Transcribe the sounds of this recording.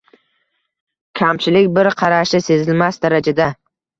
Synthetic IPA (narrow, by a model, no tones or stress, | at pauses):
kʲʰamt͡ʃʰɪlɪkʲbɪɾqʰɑɾaʃɪse̞zɪlmasd̪aɾad͡ʒad̪a